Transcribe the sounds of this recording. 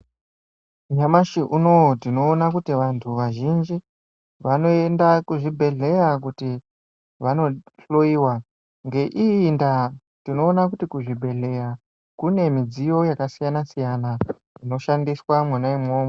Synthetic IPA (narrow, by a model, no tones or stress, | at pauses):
jamaʃiʔuno̞tino̞ːnakutiʋantʰuʋaʒind͡ʒi | ʋano̞e̞ndakuʐibʱe̞ɮe̞jakuti | ʋano̞ɬo̞iːwa | ŋɡe̞ʔinda | tino̞ːnakutikuʐibʱe̞ɮe̞ja | kune̞mid͡zijo̞jakasijanasijana | ino̞ʃandiswamwanaimo̞ːmo